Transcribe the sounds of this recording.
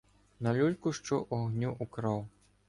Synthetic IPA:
nɐlʲulʲkuʂt͡ʂɔʔɔɣnʲuʔukɾaw

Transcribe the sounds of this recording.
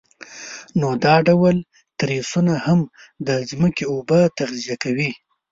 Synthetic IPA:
nod̪ɑɖawal | t̪ɾesunaham | d̪əzməkeobət̪aɣzijakawi

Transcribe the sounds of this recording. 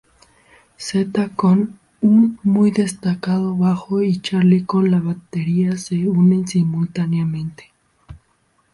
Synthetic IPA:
set̪akon | unmujðest̪akað̞o̞βaxoit͡ʃaɾlikonlaβat̪eɾiase̞une̞nsimult̪anjamẽnt̪e̥

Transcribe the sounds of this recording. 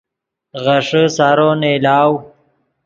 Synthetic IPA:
ɣɐʂəsaːɾoneːlaːw

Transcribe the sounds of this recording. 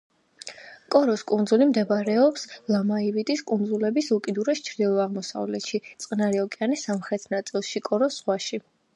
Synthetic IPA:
kʼɔɾɔskʼunzulimd̪ɛbaɾɛɔpslˠamaivit̪ʼiskʼund̪zulɛbisukʼid̪uɾɛst͡ʃʰɾd̪ilˠɔaʁmɔsa̰vlɛt̪ʃit̪sʼqʼnaɾiɔkʼianisamχɾɛt̪ʰnat̪sʼilˠʃikʼɔɾɔsʁwaʃi

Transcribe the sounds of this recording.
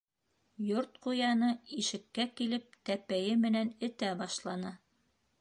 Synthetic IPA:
joɾt̪̚qujɑnɤiʃɘ̆kːækilɘp̚t̪æpæjɘmɘ̆nænɘ̆t̪æbɑʃlˠɑnɤ

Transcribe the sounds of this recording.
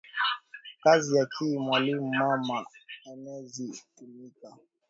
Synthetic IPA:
kazijakʰimwalimɔmaanɛzitumika

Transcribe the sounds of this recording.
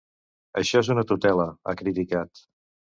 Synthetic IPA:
əʃɔezunət̪ut̪ɛləa̰kɾit̪ikat̪

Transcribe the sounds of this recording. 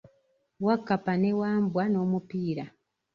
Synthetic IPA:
wakːapanewaːmbwano̞ːmupiːɾa

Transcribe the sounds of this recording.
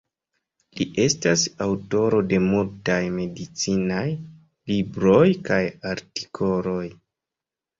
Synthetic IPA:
liʔe̞stasawto̞ɾo̞de̞multajme̞dit͡sinaj | libɾo̞jkajaɾti̥kʰo̞lo̞j

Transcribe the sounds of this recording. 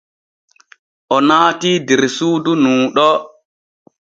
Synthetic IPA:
ʔɔnaːtiːdɛɾsuːdunuːɗɔ

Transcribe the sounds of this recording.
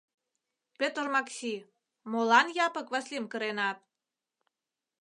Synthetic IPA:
pʲet̪ərmɑksi | molɑnjɑpə̆kβɑslʲemkə̆ɾenɑt̪̚

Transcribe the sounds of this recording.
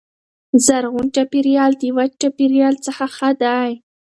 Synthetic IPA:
zaɾɣunʈapiɾjɑld̪iwat͡ʃapiɾjɑlt͡səxaxad̪aj

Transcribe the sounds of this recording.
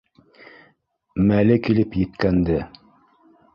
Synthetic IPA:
mælɘkilɘpjɘ̆t̪kænd̪ɘ

